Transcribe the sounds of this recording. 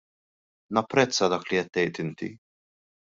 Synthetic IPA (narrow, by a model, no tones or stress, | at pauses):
nɐpːɾɛt͡sːɐd̪ɐːkliɛt̪ːɛjt̪ɪnt̪ḭ